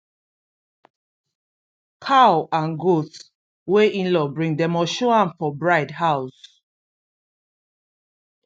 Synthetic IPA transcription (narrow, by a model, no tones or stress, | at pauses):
kʰaʊãnɡot | weʔĩnlɔbɹĩŋdɛ̃mɔʃɔãnfɔbɹaɪdhaʊs